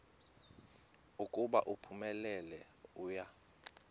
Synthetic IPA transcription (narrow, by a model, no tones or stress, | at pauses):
ukʼuɓaʔupʰumɛlɛlɛuːja